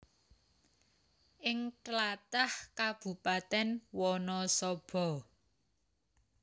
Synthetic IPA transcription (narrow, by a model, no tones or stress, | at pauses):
ʔɪŋʈlat̪ahkab̥ṳpat̪ɛnwɔnɔsɔb̥ɔ̤